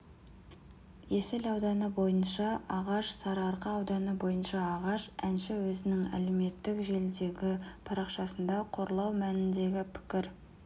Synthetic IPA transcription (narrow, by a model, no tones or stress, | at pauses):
je̞sɪlɑwd̪ɑnəbo̞jənʃɑʔɑʁɑʃsɑɾɑɾqəɑwd̪ɑnəbo̞jənʃɑːʁɑʃænʃɪwɵzɪnɪŋæ̰le̞me̞t̪ːɪkʒe̞ld̪e̞ɡʲɪpʰɑɾɑqʃɑsənd̪ɑqʰo̞ɾlˠɑwmænɪnd̪e̞ɡʲɪpʰɪ̥kʲɪɾ